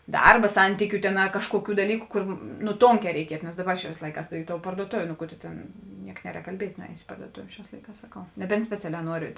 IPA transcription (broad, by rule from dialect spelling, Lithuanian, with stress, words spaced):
ˈdɐrbɐ ˈsɐnʲtʲiːkʲʊ tʲeːn ɐ ˈkɑːʃkuɔˌkʲuː dɐˈlʲiːkʊ kʊr nʊ ˈtoːŋʲˌkʲɛː rʲɛɪˈkʲiɛtʊ nʲɛs ˈdɑːˌbɐ t͡ʃʲɛ ʋʲeːsˈlˠɐɪkɑːs ɪ toːʊ pɐrduɔˈtoːʋʲeː noː ˈkʊ tʊ ˈtʲeːn ˈnʲiɛk ˈnʲæːˌrʲɛːk kɐlʲˈbʲiɛtʲ nʊˈɛːjoːs ɪ pɐrduɔˈtoːw ˈʃʲæːs ˈlˠɐɪˌkɑːs sɐˈkɐʊ nʲɛˈbʲɛnt sʲpʲɛˈt͡sʲæːlʲɛː ˈnuɔrʲɪ